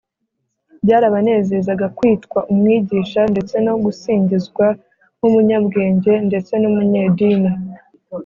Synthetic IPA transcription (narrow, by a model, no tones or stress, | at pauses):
bɟaːɾaβane̞ːze̞zaɡakwiːtkwaʔumŋiːɟiːʃande̞t͡se̞no̞ɡusiːɲɟizɡwa | humuɲabɡe̞ːɲɟe̞nde̞t͡se̞numuɲe̞ːdiːni